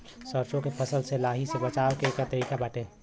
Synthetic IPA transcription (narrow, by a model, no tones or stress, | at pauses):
səɾt͡ʃõkepʰəsəlselaːɦisebət͡ʃaːwkeeːkat̪əɾiːkabaːʈe